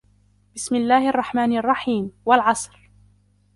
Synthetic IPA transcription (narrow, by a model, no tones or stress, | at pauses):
bɪsmɪlːaːhʔɑrˤːɑħmaːnʔɑrˤːɑħiːmwalʕɑsˤɾ